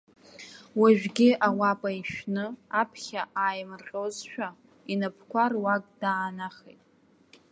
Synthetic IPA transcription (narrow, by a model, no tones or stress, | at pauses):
waʒᶣɡʲɪʔawapʼaiʃᶣnɨapʰχʲaʔajmrqʲʼozʃᶣa | inapʰkʷarwakʼdaːnaχejtʼ